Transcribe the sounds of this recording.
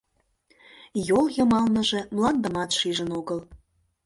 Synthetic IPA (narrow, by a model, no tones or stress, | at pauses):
joljɤmɑlnəʒe̽mlˠɑnd̪ə̆mɑt̪ʃiʒənoɣəl